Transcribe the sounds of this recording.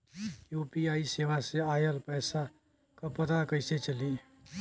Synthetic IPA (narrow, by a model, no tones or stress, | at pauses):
jupiaisewaseajəlpəjsa | kʌpət̪akəjset͡ʃəli